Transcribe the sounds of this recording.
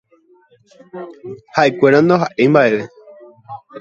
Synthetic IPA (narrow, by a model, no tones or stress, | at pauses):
hae̞kʷe̞ɾãnd̪oɦaʔembaʔe̞ʋe̞